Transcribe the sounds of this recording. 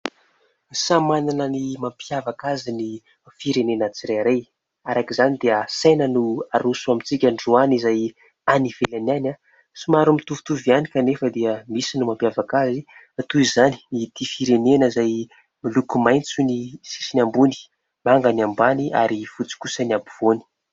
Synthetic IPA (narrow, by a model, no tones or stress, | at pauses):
samananənimampjavakazini | fiɾenenat͡siɾeɾej | aɾakizanid̪eəsenənuaɾusuamit͡sikʲaɳɖ͡ʐuanizaj | anivelanana | simaɾumit̪uvi̥t̪uvianikanefəd̪eəmisinumampjavakazi | at̪uizani̥it̪ifiɾenenəizaj | milukumajnt͡sunisi̥sinʲambuni̥ | maŋɡaniambania̰ɾifut͡si̥kusaniabiv̥oni̥